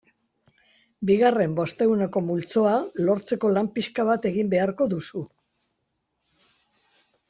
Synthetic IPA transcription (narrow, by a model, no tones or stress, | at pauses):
biɣare̞mbo̞st̪e̞ɣuneko̞mult͡so̞alo̞ɾt͡se̞ko̞lampiʃkaβ̞at̪e̞ɣimbe̞aɾko̞ðusu